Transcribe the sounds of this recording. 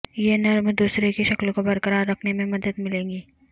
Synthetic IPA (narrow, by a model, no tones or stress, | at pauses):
jenɐɾmd̪uːsɾekiʃɐklkobɐɾkəɾaːɾːɐkʰnemẽmɐd̪əd̪mɪlẽːŋɡiː